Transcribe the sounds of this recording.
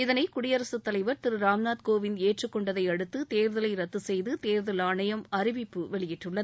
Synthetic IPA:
ɪðɐnɐɪkʊɽɪjɐɾɐsɯt̪ːɐlɐɪʋɐɾt̪ɪɾɯɾaːmnaːt̪koːʋɪneːʈrɯkːɔɳɖɐðɐɪɐɽɯt̪ːɯt̪eːɾðɐlɐɪɾɐt̪ːɯsɛjðɯt̪eːɾðɐlaːɳɐjɐmɐɾɪʋɪpːɯʋɛɭɪjɪʈrɯɭːɐð

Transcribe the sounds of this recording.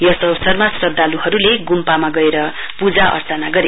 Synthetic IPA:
jʌsʌwsʌrmasrʌd̪aluhʌɾuleɡumpamaɡʌeɾʌ | pud͡zaʔʌ̰rt͡sʌnaɡʌɾe

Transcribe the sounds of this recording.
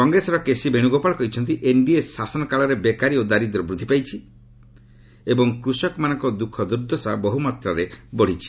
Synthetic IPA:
kɔŋɡɾesɔɾɔkesibeɽ̃uɡopaɭɔkɔɦjt͡ʃʰɔnt̪iʔenɖiesasɔnɔkaɭɔɾebekaɾiod̪aɾid̪ɔɾɔbɾud̪ʱipajt͡ʃʰi | ebɔŋkɾusɔkmanɔŋkɔd̪ukʰɔd̪uɾd̪ʱɔsabɔɦumɔt̪ɾaɾebɔɽ̤it͡ʃʰi̥

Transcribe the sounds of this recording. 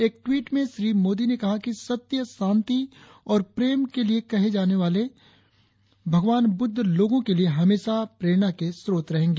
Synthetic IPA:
eːk̚ʈwiːʈmẽʃɾiːmoːd̪inekɐɦakisɐt̪jəsãːnt̪i | ɔːɾpɾeːmkeliekɐɦed͡ʒaːneʋaːle | bʱɐɡʋaːnbʊd̪ʱːloːɡõkelieɦɐmeːʃapɾeːɽ̃akesɾoːt̪ɾɐɦẽːŋɡeː

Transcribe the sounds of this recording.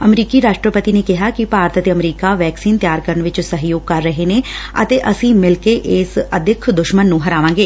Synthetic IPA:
əmɾiːkiːɾaːʃʈɾəpət̪iːneːkɪɦaːkipaːɾət̪ət̪eːəmɾiːkaʋɛːksiːnt̪jaːɾkəɾəɳʋɪt͡ʃsəɦjoːɡ̚kəɾːəɦeːneːə̰t̪eːʔəsĩːmɪlkeʔeːsəd̪ʱɪkʰd̪ʊʃmənːũːɦəɾaːʋãːŋɡeː

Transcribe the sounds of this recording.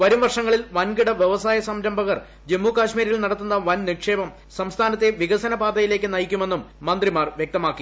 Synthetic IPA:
ʋɐɾumʋɐrʂɐŋːɐɭilʋɐnɡiɽɐʋjeʋɐsaːjɐsɐmɾɐmbʱɐɣɐr | d͡ʑemːuːkaːɕmiːɾjilnɐɽɐt̪ːunːɐʋɐnnikʂeːbɐm | sɐmst̪ʰaːnɐt̪ːe̞ʋiɣɐsɐnɐbaːd̪ɐjile̞ːkʲːɨnɐjikʲːume̞nːumːɐnd̪rimaːrʋjek̚t̪ɐmaːkːi

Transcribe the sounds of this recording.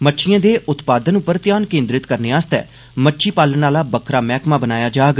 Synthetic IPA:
məʈːʃʰɪjãːd̪eːʔʊt̪paːd̪ənʊpːəɾt̪ɪjaːnkẽːnd̪ɾɪt̪kəɾneːaːst̪ɛ̰ː | məʈːʃʰiːpaːlənaːlaːbəkʰɾaːmɛːkmãːbənaːjaːd͡ʒaːɡ

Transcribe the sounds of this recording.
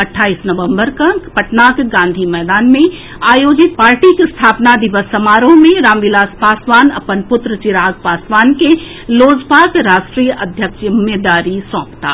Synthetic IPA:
əʈʰːaːisnəʋə̃mbəɾkapəʈnaːkɡãːnd̪ʱimɛːd̪aːnmẽ | aːjoːd͡ʒɪt̪̚paːɾʈikest̪ʰaːpnad̪ɪʋəsːəmaːɾõmẽɾaːmʋɪlaːspaːsʋaːnəpənpʊt̪ɾət͡ʃɪɾaːɡ̚paːsʋaːnke | loːd͡ʒbʱaːkɾaːsʈɾijəʔəd̪ʱjəkɪmed̪aːɾisɔ̃ːpt̪a̰ː

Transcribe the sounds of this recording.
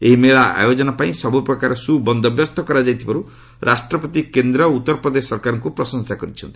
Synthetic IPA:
eɦimeɭaa̰jod͡ʒɔnapaĩsɔbupɾɔkaɾɔsubɔnd̪ɔbjɔst̪ʰɔkɔɾad͡ʒajt̪ʰibaɾu | ɾʔasʈɾɔpɔt̪ikend̪ɾɔut̪ːɔɾɔpɾɔd̪esɔɾkaɾɔŋkupɾɔsɔŋsakɔɾit͡ʃʰɔnt̪i

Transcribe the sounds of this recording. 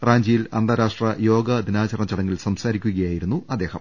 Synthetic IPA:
raːɲd͡ʑijilɐnd̪ɐɾaːʂʈrɐjo̞ːɡɐd̪inaːt͡ɕɐrnɐt͡ɕɐɽɐŋːilsɐmsaːɾikʲːuɣɐjaːjiɾunːuɐd̪ːe̞ːhɐ̰m

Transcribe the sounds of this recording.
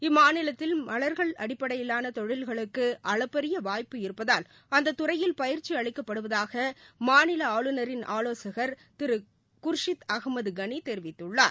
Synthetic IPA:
ɪmːaːnɪlɐt̪ːɪlmɐɭɐɾɣɐɭɐɽɪpːɐɽɐjɪlːaːnɐt̪ɔɻɪlɣɐɭɯkːɯʔɐɭɐpːɛɾɪjɐʋaːjpɯɪɾɯpːɐðaːl | ɐnd̪ɐt̪ːʊɾɐjɪlpɐjɪɾt͡ʃːiɐɭɪkːɐpːɐɽɯʋɐðaːɣɐmaːnɪlɐaːɭɯnɐɾɪnʔaːloːsɐɣɐɾ | t̪ɪɾɯ | kʊɾʂɪt̪ɐɣmɐðɡɐnit̪ɛɾɪʋɪt̪ːɯɭːa̰ː

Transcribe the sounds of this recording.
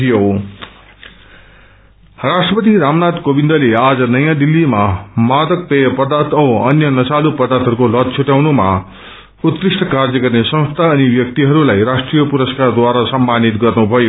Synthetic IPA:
ijo | rasʈrʌpʌt̪̬iɾamnad̪kobind̪ʌlead͡zʌnʌjãd̪ilːimamad̪ʌk̚pejʌpʌd̪at̪ʌʌnjʌnʌsalupʌd̪at̪ʰɦʌɾukolʌd̪̚t͡sʰuʈjawnuma̰ | ut̪ːrisʈʰʌkard͡zʌɡʌrnesʌ̃st̪ʰaʌnibjʌk̚t̪iɦʌɾulajrasʈrijʌpuɾʌskard̪waɾasʌmbanit̪ɡʌrnubʱʌjo

